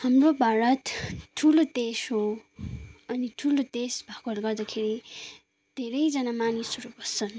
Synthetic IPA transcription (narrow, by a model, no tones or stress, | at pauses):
hamrobʱaɾʌt̪ʈʰulod̪esɦo | ʌniʈʰulod̪esbʱakʌɦlɡʌrd̪akʰeɾi | d̪ʱeɾʌjd͡zʌnamanisʌɾubʱʌt͡sʰʌn